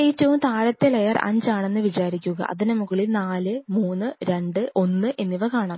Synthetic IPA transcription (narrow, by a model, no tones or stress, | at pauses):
e̞ːtːɐʋumt̪ʰaːɻɐt̪ːelejɐrɐ̰ɲd͡ʑaːɳe̞nːɨʋit͡ɕaːɾikʲːuɣɐ̰ʔɐ̰ðinemuɣɐɭilnaːlɨmuːnːɨɾe̞ɳɖɨʔo̞nːɨʔe̞nːiʋɐkaːɳaːm